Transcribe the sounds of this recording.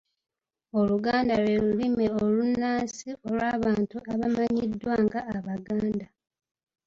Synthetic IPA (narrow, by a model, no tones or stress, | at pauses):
o̞luɡaːndalwelulimeolunːaːsio̞lwaːβaːntuaβamaɲidːwaːŋɡaːβaɡaːnda